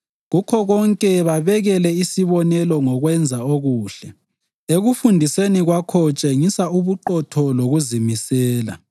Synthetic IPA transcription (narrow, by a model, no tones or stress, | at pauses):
ɣukʰɔɣɔŋkʼɛβaβɛɣɛlɛisiβɔnɛlɔŋɔɣwɛnd͡zʱaoɣuːɬɛ | eɣufundʱiseniɣwakʰɔt͡ʃʼeŋisauβuǃɔtʰɔloɣuzimisɛːla̰